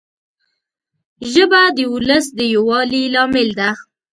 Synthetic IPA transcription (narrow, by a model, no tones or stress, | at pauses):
ʒəbad̪əʊləsd̪əjowɑlilɑmɪld̪a